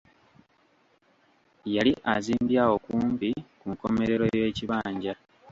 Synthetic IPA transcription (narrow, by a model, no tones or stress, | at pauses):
jaliʔaziːmbjaːwo̞kuːmbikuŋko̞me̞ɾe̞ɾo̞je̞ːciβaːɲɟa